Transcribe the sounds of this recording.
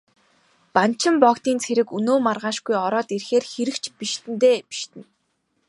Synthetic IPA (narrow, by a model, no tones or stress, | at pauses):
pan̥t͡ɕʰɪ̆mpɔkt̪iːnt͡sʰeɾɘ̆kunoːmarʁaːʃɡujɔɾɔːt̪irxeːrxeɾɘ̆kt͡ɕʰpiʃt̪ɘ̆nt̪eːpi̥ʃt̪ɘ̆n